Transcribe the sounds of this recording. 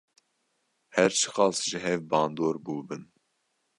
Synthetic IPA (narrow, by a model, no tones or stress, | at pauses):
hɛɾt͡ʃʰɨ̥xɑːsʒɨɦɛvbɑːnd̪oːɾbuːbɨn